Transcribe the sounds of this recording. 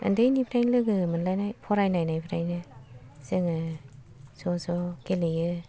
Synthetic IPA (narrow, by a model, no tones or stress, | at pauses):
a̰ndejnipʰiɾajnlɯɡɯmɯnlajnajpʰɔɾajnajnajpʰiɾajnɯseŋɯ | sɔsɔkelejɯ